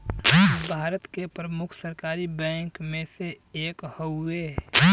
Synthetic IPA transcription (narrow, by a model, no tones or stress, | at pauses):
bʱaːɾət̪kepɾəmʊkʰsəɾkaːɾibɛ̃ːŋkmẽse | eːkhoʊeː